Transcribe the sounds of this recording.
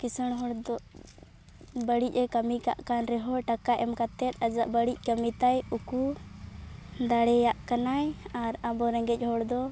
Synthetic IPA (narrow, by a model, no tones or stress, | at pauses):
kisəɽɦɔɽd̪ɔ | bəɽic̚ˀɛkəmika̰ʔkanɾɛɦɔʈakaʔɛmkat̪ɛt̪̚ˀad͡ʒaʔbəɽic̚ˀkəmit̪ajuku | d̪aɽɛjaʔkanajaɾabɔɾɛŋɡɛc̚ˀɦɔɽd̪ɔ